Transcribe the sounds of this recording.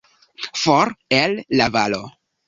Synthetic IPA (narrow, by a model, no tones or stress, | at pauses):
foɾelːavalo̰